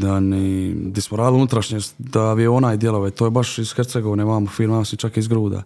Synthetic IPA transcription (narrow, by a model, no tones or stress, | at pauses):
d̪anid̪ismoɾaːd̪unut̪ɾaʃɲesd̪aʋieonaːjd̪jeloʋet̪oːjebaʃiz̥xeɾt̪seɡoʋneʋaːmofiːlˠmaasit͡ʃakizɡɾuːd̪a̰